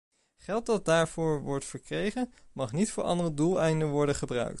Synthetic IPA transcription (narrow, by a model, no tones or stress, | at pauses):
χɛlˠt̚dɑt̚daːɹv̥ʊːɹʋɔɹtfəɹkrejχənmɑχnitfʊːɹʔɑ̰ndərədulˠɛjndəʋɔɹdəχəbrœ̰ɥk̚t